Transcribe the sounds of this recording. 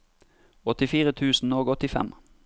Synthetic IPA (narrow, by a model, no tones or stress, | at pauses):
ɔt̪ɪfiːʁət̪ʰʉːsn̩oːɡɔt̪ɪfɛ̰m